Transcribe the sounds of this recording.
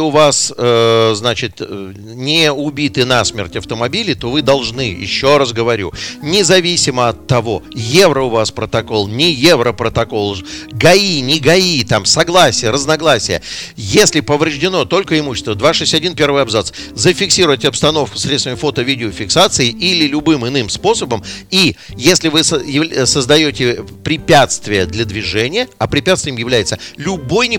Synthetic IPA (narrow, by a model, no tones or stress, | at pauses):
ʊvasəznat͡ɕɪt̪ | nʲɪʊbʲit̪ɨnasmʲerʲtʲɐft̪əmɐbʲilʲɪt̪o̞vɨd̪ɐlˠʐnɨjɪ̰ɕːo̞ras̬ɡəvɐɾʲṵnʲɪzɐvʲisʲɪməɐt̪ːɐvo̞jevɾəʊvaspɾət̪ɐko̞lˠnʲɪjevɾəpɾət̪ɐko̞lˠɡɐinʲɪɡɐit̪amsɐɡlˠasʲɪjəɾəznɐɡlˠasʲɪjə̰jesʲlʲɪpəvɾʲɪʐdʲɪno̞t̪o̞lʲkəɪmuɕːɪst̪vəd̪vaʂɛsʲɐdʲinpʲe̞rvɨjɐbzat̪s | zəfʲɪksʲiɾʊjɪtʲɪɐpst̪ɐno̞fkʊ̥sɾʲet̪st̪vʲɪmʲɪfo̞t̪əvʲidʲɪofʲɪksat̪sɨɪilʲɪlʲʊbɨmɨnɨmspo̞səbəmijesʲlʲɪvɨjɪsəzd̪ɐjo̞tʲɪpɾʲɪpʲæt̪st̪vʲɪjəd̪lʲəd̪vʲɪʐɛnʲɪjəɐpɾʲɪpʲat̪stvʲɪjɪmjɪvlʲæjɪt̪səlʲʊbo̞jnʲɪ